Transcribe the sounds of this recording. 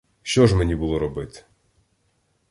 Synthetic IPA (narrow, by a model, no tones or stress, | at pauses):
ʃt͡ʃɔʒmenʲibʊlˠɔɾɔbɪt̪